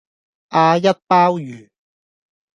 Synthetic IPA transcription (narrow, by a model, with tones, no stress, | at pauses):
ʔaː˧jɐ˥t̚paː˥wjyː˨˩